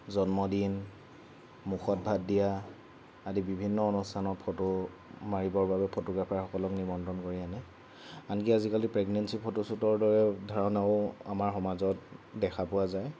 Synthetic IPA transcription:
zɔnmɔdin | muxɔt̚bʱatdijaː | dibibʱinːɔonustʰanɔtpʰoto | maɹibɔɹbabɛpʰotɔɡɹapʰaɹxɔkɔlɔknibɔndɔnkoɹianɛ | ankiazikalipɹɛɡnɛnsipʰotosutɔɹdɔɹɛdʱɔɹɔnaʊa̰maɹxɔmazɔtdɛxʰapʊwazaj

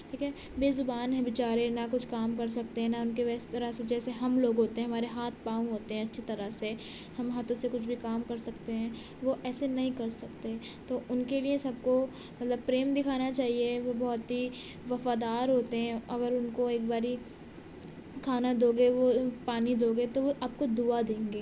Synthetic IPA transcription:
ʈʰiːkʰɛ | beːzʊbaːnɦɛ̃bɪt͡ʃaːɾenakʊt͡ʃʰkaːmkɐɾs̬ɐk̚t̪eɦɛ̃naʊnkeʋɛːst̪ɐɾəɦsed͡ʒɛːseɦɐmloːɡɦoːt̪eɦɛ̃ɦɐmaːɾeɦaːt̪̚ʰpaːũɦoːt̪eɦɛ̃ɐtːʃʰet̪ɐɾəsehɐmɦaːt̪ʰõsekʊt͡ʃʰbʱikaːmkɐɾsɐkt̪eɦɛ̃ː | ʋoʔɛːsenɐɦĩkɐɾsɐkt̪eɦɛ̃t̪oʔʊnkeliesɐb̚ko | mɐt̪ləbpɾeːmd̪ɪkʰaːnat͡ʃaːɦieʋobɔɦʊt̪ɦi | ʋɐfaːd̪aːɾɦoːt̪eɦɛ̃ɐɡəɾʊnkoeːk̚baːɾi | kʰaːnad̪oːɡeʋopaːnid̪oːɡet̪oʋoʔaːp̚kod̪uad̪ẽːŋɡeː

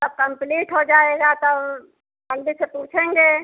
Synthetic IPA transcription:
t̪ɐb̚kɐ̃mpliːʈɦod͡ʒaːeːɡat̪ɐ | mɐld̪isepuːt͡ʃʰẽːŋɡeː

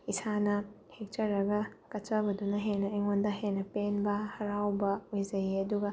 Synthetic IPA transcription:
isanɐ | hek̚tɐɾɐɡɐkɐt͡ʃɐbɐdunɐɦenːɐɐjŋondɐɦenːɐpenbɐhɐɾawbɐojzɐjiɐduɡɐ

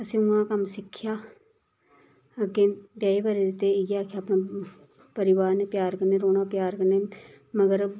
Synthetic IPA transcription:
əsĩːʊãːkəmsɪkʰːjaː | əɡeːbjaːibaɾed̪ɪt̪ːeɡaːkʰjaːpnãː | pəɾɪʋaːɾnepjaːɾkəɾneːɾoːnaːpjaːɾkəɾneː | məɡəɾ

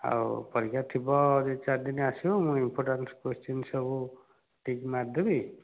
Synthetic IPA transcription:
a̰wpʌɾikʰat̪ʰibɔːd͡ʒit͡saɾd̪inasiomũimpʰoɾʈanskost͡ʃinsʌbu | ʈikmad̪ʱubi

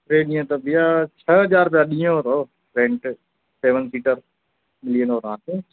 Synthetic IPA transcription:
ɾeːnɪjãːt̪əbijaːt͡ʃʰəɦəd͡ʒaːɾpaːɗɪjãoːɾoː | ɾẽɳʈ | seːʋənsiːʈəɾ | mɪlɪjənoːɾãːtẽː

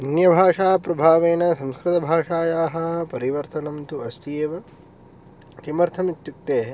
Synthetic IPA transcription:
injɐbʱaːʂaːpɾɐbʱaːʋeːnɐsɐ̃mskɾɪt̪ɐbʱaːʂaːjaːɦɐ̆pɐɾiʋɐɾt̪ɐnɐmt̪uɐst̪ʰijeːʋɐ | kemɐɾt̪ʰɐmit̪juk̚t̪eːɦ

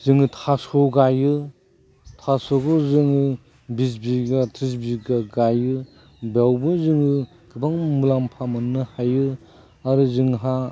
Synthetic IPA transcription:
zɯŋɯtʰasɔɡajɯ | tʰasoɡɔzɯŋɯ | bis̬biɡatʰɾis̬biɡaɡajɯ | bawbɯzɯŋɯ | ɡ̥ɯbaŋmulampʰamɯnːɯhajɯ | aɾɯzɯŋɦa

